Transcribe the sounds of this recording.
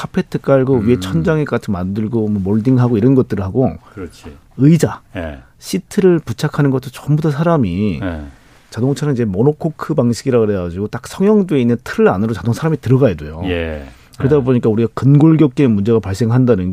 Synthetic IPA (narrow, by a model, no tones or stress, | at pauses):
kʰapʰe̞tʰɯ̥k͈aɭɡoɥie̞t͡ɕʰʌnd͡ʑaŋek͈at͡ɕʰimandɯɭɡomwʌmoɭdiŋɦaɡoiɾʌnɡʌt̚t͈ɯɾɯɭɦaɡoi | ɯid͡ʑa | ɕʰitʰɯɾɯɭput͡ɕʰakʰanɯnɡʌt͈ʰot͡ɕʌmbutʰʌsʰaɾami | t͡ɕadoŋt͡ɕʰanɯnid͡ʑe̞monokʰokʰɯbaŋɕʰiɡiɾaɡoɾeɡad͡ʑiɡot͈ak̚sʰʌŋjʌŋdoeinːɯntʰɯɾɯɭanɯɾot͡ɕadoŋsʰaɾamitɯɾʌɣajedwojoe | kɯɾedaboɲik͈auɾiɡakɯnɡoɭɡjʌk̚k͈emund͡ʑe̞ɣapaɭs͈e̞ŋɦandanɯn